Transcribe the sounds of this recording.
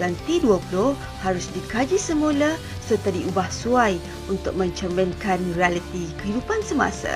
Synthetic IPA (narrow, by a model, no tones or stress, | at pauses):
ɡant̪iduəpulo | haɾʊsdikad͡ʒisəmola | sərt̪adiubahsuaj | unt̪ʊk̚mə̃ɲt͡ʃəmɛnkanrialit̪ikəɦidupansəma̰sa̰